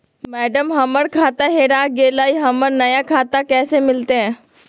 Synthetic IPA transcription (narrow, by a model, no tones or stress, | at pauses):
mɛːɖəmɦɐməɾkʰaːt̪aɦeːɾaːɡeːlaːiɦɐməɾnɐjakʰaːt̪akɛːsemɪlt̪eɦɛ̃ː